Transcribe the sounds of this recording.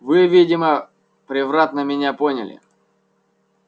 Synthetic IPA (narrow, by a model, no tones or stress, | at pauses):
vɨvʲidʲɪmə | pɾʲɪvrat̪nəmʲɪnʲaponʲɪ̰lʲɪ̰